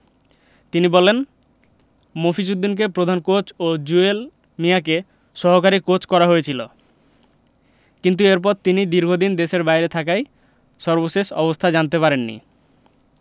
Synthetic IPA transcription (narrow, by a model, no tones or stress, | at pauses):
t̪inibɔlen | mofit͡ɕud̪ːink̬epɾod̪ʱankot͡ɕod͡ʑuel | mijak̬e | ʃɔɦokaɾikot͡ɕkɔɾaɦojet͡ɕʰilo | kint̪ueɾp̬ɔɾt̪inid̪iɾɡʱod̪ind̪eʃeɾbajɾet̪ʰakaj | ʃɔɾboʃeʃɔ̰bost̪ʰad͡ʑant̪epaɾenːḭ